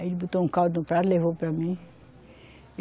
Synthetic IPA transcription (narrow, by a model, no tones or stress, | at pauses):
elibut̪oũkaw̪nũpɾaɾlevopɾamĩ